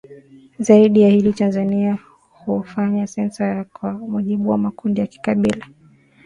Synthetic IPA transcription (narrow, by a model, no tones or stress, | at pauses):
zaiɗijahilitanzania | hufaɲasɛnsajakwamuʄiɓuwamakundijaki̥kaɓila